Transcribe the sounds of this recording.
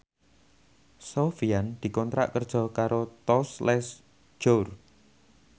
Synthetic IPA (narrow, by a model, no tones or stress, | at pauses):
sofiand̪̥i̤kɔnt̪ɾa̰ʔkərd̥ʒ̥ɔ̤kaɾot̪ɔslɛs | d͡ʒ̥or